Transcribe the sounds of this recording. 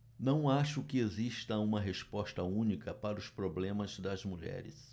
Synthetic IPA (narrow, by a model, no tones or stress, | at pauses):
nɐ̃w̃aʃʊkɪeziʃt̪ɐũmɐɦespɔst̪ɐũnikɐpaɾɐʊspɾoblẽmɐzd̪ɐzmuʎɛ̰ɾɪ̰s